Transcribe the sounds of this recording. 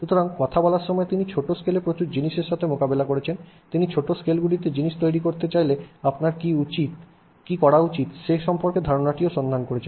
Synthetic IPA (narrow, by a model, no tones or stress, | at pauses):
ʃut̪oɾaŋkɔt̪ʰabɔlaɾʃɔmɔet̪init͡ɕʰoʈoskelepɾot͡ɕuɾd͡ʑiniʃeɾʃat̪ʰemokabelakoɾet͡ɕʰen | t̪init͡ɕʰoʈoskelɡulit̪ed͡ʑiniʃt̪ojɾikoɾt̪et͡ɕajleapnaɾkiut͡ɕit̪ | kikɔɽaut͡ɕit̪ʃeʃɔmpoɾked̪ʱaɾonaʈioʃɔnd̪ʱankoɾet͡ɕʰen